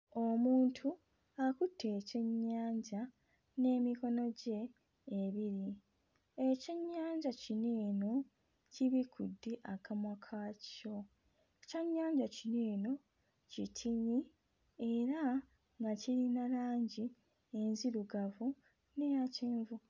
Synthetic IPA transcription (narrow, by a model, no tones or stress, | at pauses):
o̞muːntʰu | akutʰːe̞ːce̞ɲːaːɲɟa | ne̞ːmiko̞no̞ɟe̞ː | βiɾi | e̞ceɲːaːɲɟacineːno̞ | ciβikʰudːeʔakamwakʰaco̞ | ecaɲːaːɲɟacineːno̞ | citʰiɲi | e̞ɾa | ŋɡaciɾinalaːɲɟi | enziɾuɡavu | nejaceːɱvu